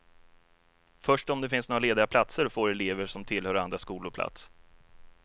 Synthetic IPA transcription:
fœʂʈɔmd̪ɛfɪnsnoːɾaleːd̪ɪɡapʰlat̪səɾfoːɾɛleːvəʂɔmt̪ʰɪlhœːɾand̪ɾaskuːlʊpʰla̰t̪s

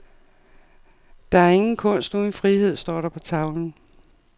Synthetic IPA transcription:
d̥ɑ̈æɐe̝ŋn̩kʰɔ̽n̰sd̥nunfʁihe̝ð̞̰ˠsd̥ɒ̰ːɾɑpʰɒ̽t͡sʰɑ̈ʊln̩

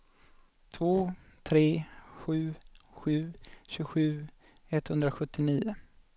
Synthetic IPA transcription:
t̪ʰvoːt̪ʰɾeːɧʉ̟ːɧʉ̟ːɕʉːɡɧʉ̟ː | ɛt̪ːhɵnd̪ɾaɧɵt̪ːɪniːʊ

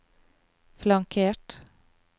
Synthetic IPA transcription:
flɑŋkʰeːʈ

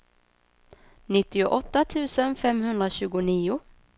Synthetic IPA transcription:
nɪt̪ːɪʊʔɔt̪ːat̪ʰʉ̟ːsənfɛmɦɵnd̪ɾaɕʉ̟ːɡʊniːʊ

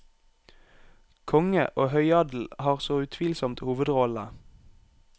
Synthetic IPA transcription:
kʰɔŋəʔoːhœʏɑd̪l̩hɑːʁsoːʉt̪ʰʋiːlsɔmt̪huːʋəd̪ʁɔlə

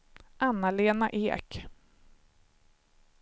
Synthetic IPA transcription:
ʔanːaleːnaʔeːk

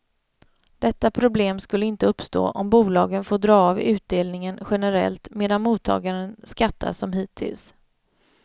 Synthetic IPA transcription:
d̪̥ɛt̪ːapʰɾʊbleːmskɵlːəɪnt̪əɵpːst̪o̰ːʔɔmbuːlɑːɡənfoːɖɾɑːɑːvʉ̟ːt̪̚d̪eːlnɪŋənɧɛnəɾɛ̰lt̪meːd̪anmuːt̪ʰːɑ̰ːɡaɾənskat̪ʰːa̰sɔmɦiːt̪ʰːɪ̰ls

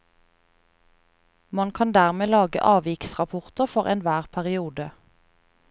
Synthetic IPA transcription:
mɑnkʰɑnd̪æːʁmeːlɑːɡə̰ʔɑːʋɪksʁɑpʰʊʁt̪əʁfɔʁɛnʋæːʁpʰæʁɪuːd̪ə

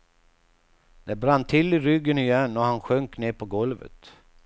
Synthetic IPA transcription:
d̪̥ɛbɾanːt̪ʰɪlːɪɾʏɡːənɪjɛnːɔhanɧœŋkneːpʰɔɡɔlvə̰t̪

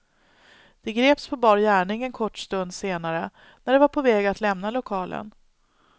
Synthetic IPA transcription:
d̪̥ɛɡɾeːpspʰɔbɑːɾjæːɳɪŋɛnkʰɔʈːst̪ɵnd̪seːnaɾə | næɖɛvaɾpʰɔvɛːɡat̪lɛmnalʊkʰɑːlʔə̰n

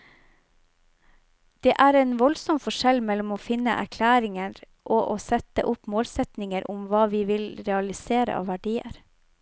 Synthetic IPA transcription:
d̪̥eːʔæːɾeːnʋɔlsɔmfɔʃɛlmɛlʊmoːfɪnə̰ʔæ̰ɾkʰlæːɾɪŋəɾ | ʔoːʔoːsɛt̪ə̰ʔʊpmoːlsɛt̪nɪŋəɾʔʊmʋɑːʋiːʋɪlɾɛɑlɪseːɾə̰ʔɑ̰ːʋæɖiːə̰ɾ

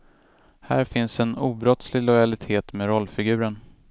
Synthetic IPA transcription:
hæ̰ːɾfɪnsɛnuːbɾɔt̪slɪlɔjalɪt̪ʰeːt̪meːɾɔlːfɪɡʉ̟ːɾəɳ

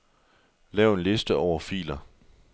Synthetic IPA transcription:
lɛːʊe̝nle̝sd̥əɒʊ̰ɐfḭːlɐ

